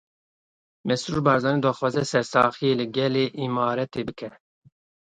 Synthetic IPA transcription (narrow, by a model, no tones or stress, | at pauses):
mɛsuɾbɑːɾzɑːnid̪ɑːxwɑːzɛsɛɾsɑːxijeːlɨɡɛleːʔimɑːɾɛt̪eːbɨkʰɛ